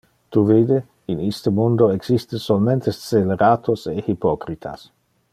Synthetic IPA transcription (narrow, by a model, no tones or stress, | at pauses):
t̪uvid̪e | inist̪əmund̪oeɡz̥ist̪esolment̪est̪seleɾaːt̪ʰosehipɔkɾit̪ʰa̰s